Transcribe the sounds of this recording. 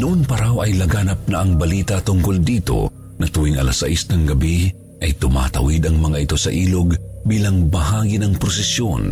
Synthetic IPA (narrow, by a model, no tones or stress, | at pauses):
nʊʔonpɐɾawɐjlɐɡaːnɐp̚nɐʔɐŋbɐliːt̪ɐt̪ʊŋkold̪iːt̪o̞̰ | ŋɐt̪uːwiŋɐ̰lasɐ̰ʔisnɐŋɡɐbi | ʔɐjt̪ʊma̰ːt̪ɐ̰wid̪ɐŋmɐŋaʔɪt̪o̞sɐʔiːloɡbiːlɐŋbɐhaːɡinɐŋpɾosɛsjon